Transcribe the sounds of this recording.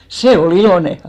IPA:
se ol iloˑne

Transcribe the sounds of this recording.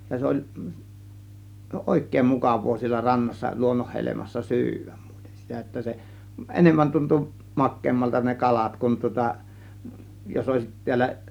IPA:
jɑ se olʲ oˑe̝kˑeˑĭm mukɑʋˑoː sielːæ rɑnːɑsːɑ luonːohːelemɑsːɑ sy̞yʋæ̥m̥ m̥u̥i̥te̥n̥ sitæ etːæ se ʔenemːæn tuntu mɑkːeːmːɑltɑ ne kɑlɑt kun tŭŏtɑ jos oˑe̝sit ti̞ælːæ

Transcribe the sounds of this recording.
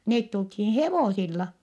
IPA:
neːt tulthiːn̞ heʋoˑsilːɑ

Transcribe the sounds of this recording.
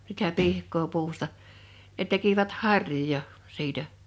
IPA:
sitæ pihkˑoː puːstɑ ne tekiʋæt hɑrˑjojɑ siːtæ

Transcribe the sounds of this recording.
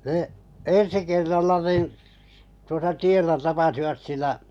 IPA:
nə ensi kerːɑlːɑ niˑn tuosɑ tielːæ tɑpɑsiʋɑt silːæ

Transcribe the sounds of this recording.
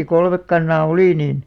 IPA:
jɑ kolmek kɑnːɑː oli niːn

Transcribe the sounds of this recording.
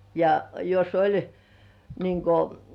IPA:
jɑ jos olʲ niːŋ ko

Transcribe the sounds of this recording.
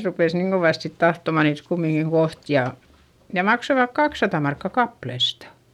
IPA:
rupes niːŋ ɡ̊oʋɑˑst sit tɑhtomɑ niːt kumːiŋkiŋ koht jɑ jɑ mɑksoʋɑk kɑksːɑtɑ mɑrkːɑ kɑplestɑ̥

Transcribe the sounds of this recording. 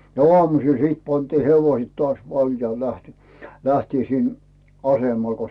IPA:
no oɑmusiˑl siˑt pɑntiː heʋoĭsĕt toɑs ʋɑljɑihe̥ læhti læhtiː sin ɑsemɑl ko

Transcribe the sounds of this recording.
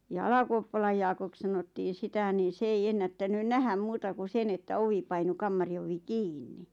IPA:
jɑ ɑlɑkuopːɑlɑj jɑːkok sɑnotːiːn̆ sitæ niː s ei enːætːænyn næhæm muːtɑ ku sen etːæ oʋi pɑinu kɑmːɑri oʋi kiːnːi

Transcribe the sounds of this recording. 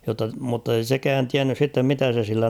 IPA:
jotːɑ mutːei sekæːn tiænːys sitːem mitæ se silːæ

